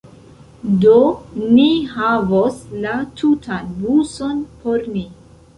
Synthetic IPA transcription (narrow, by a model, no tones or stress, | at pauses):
doniɦavoslatʰutʰanbusonpʰoɾni